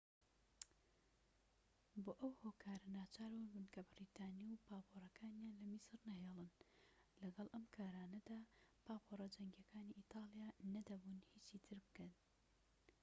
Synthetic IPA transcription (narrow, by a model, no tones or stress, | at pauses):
boːʔɐwhoːkʰaːɾɐnaːt͡ʃaːɾwanbɨnkʰɐbɪɾiːt̪ʰaːniwpaːpʰorɐkʰaːnjaːnlɐmisɨɾnɐɦeːlˠɨnlɐɡɐlˠʔɐmkʰaːɾaːnɐd̪aːpʰaːpʰorɐd͡ʒɐŋɡjɐkʰaːniʔiːt̪ʰɑːlˠjanɐd̪ɐbunhiːt͡ʃiːt̪ʰɨɾbɨkɐn